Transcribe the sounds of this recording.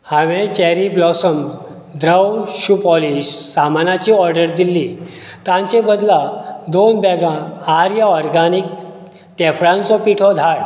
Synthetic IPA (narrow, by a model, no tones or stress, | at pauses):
haʋẽt͡ɕɛɾiblɔsəm | d̪ɾəwɕupɔliɕːamanat͡ɕiɔɾɖəɾd̪ilːit̪ãɲt͡sẽbəd̪lad̪onbɛɡãaɾjaɔɾɡanik̚ | t̪ɛfɭãnt͡sɔpiʈʰɔd̪ʱaɽ